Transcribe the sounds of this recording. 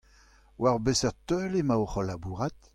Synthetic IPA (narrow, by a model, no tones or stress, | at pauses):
waʁbesɛʁt̪øːlemaoχɔlabuːʁat̪